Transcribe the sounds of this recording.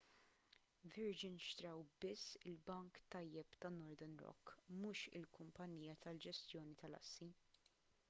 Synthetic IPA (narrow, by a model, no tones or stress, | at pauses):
vɪɾd͡ʒɪnʃt̪ɾɐwbɪsːɪlbɐŋkt̪ɐjːɛpt̪ɐnːɔɾd̪ɛnɾɔ̰kːmuːʃɪ̰lkʊmpɐnːiːjɐt̪ɐld͡ʒɛst̪jɔːnit̪ɐlɐ̰sːi